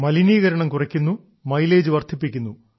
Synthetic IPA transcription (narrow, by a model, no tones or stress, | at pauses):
mɐliniːɣɐɾɐɳɐmkurɐkʲːunːu | mɐjle̞ːd͡ʑuʋɐrt̪ʰipːikʲːunːu